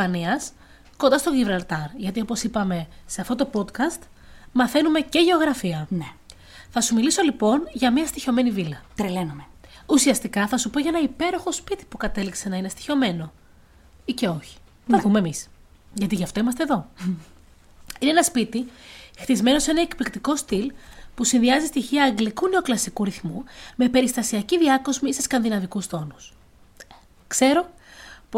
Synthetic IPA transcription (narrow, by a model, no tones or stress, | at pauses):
pɐniɐs | ko̞nd̪ɐst̪o̞ʝivɾɐlt̪ɐɾʝɐt̪iopo̞sipɐme̞se̞ɐft̪o̞t̪o̞po̞t̪kɐst̪ | mɐθe̞nume̞ceʝe̞o̞ɣɾɐfiɐne | θɐsumiliso̞lipo̞nʝɐmɲɐst̪iço̞menivilɐt̪ɾelenumeusiɐst̪ikɐθɐsupo̞ʝɐenɐipe̞ɾo̞xo̞spit̪i̥pukɐt̪e̞likse̞nɐinest̪i̥ço̞me̞no̞ | ice̞o̞çi̥ | ɐpumeːmis | ʝɐt̪iʝɐft̪o̞imɐst̪eðo̞ | ineenɐspit̪ixt̪izme̞no̞se̞nɐekplikt̪iko̞st̪ilpusinðiɐzist̪içiɐːŋɡlikune̞o̞klɐsikuɾiθmume̞pe̞ɾist̪ɐsiɐciðiɐko̞zmiseskɐnðinɐvikust̪o̞nus | kse̞ɾo̞ | p